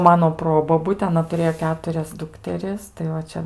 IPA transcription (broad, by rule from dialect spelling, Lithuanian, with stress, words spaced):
ˈmɑːnoː ˈproːboːbʊtʲeː ɐˈnɐ tʊˈrʲeːjoː ˈkʲæːtʊrʲɛs ˈdʊktʲɛrʲɪs tɐɪ ˈʋɐ ˈt͡ʃʲɛ